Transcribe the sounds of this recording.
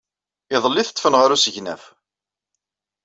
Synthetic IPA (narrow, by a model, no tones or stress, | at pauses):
ɪðˤəlːiθə̥t̪ˤːfənʁaɾusəʝnæ̰f